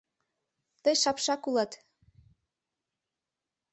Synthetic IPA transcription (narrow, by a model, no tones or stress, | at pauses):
t̪ɤjʃɑpʃɑkulˠɑt̪